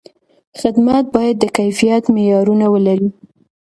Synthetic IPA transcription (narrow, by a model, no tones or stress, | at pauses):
xɪd̪mat̪̚bɑjad̪ːəkajfijat̪mejɑɾunawəlaɾi